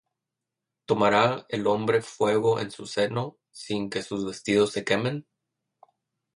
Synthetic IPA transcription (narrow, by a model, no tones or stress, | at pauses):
t̪o̞maɾaelo̞mbɾe̞fwe̞ɣ̞o̞ʔe̞̰nsuse̞no̞ | siŋke̞suzβe̞st̪ið̞o̞sːe̞ke̞me̞n